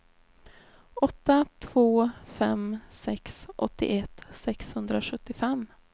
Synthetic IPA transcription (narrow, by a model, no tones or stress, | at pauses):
ɔt̪ːat̪ʰv̥oːfɛmsɛksʔɔt̪ːɪ̰ʔɛt̪sɛkshɵnd̪ɾaoɧɵt̪ːɪfɛm